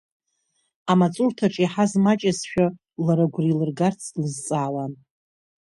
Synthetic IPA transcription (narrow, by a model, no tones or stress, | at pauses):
amat͡sʼurtʰaʈ͡ʂʼiħazmat͡ʃʼasʃᶣa | laɾaɡʷrilɨrɡart͡sʰlɨzt͡sʼaːwan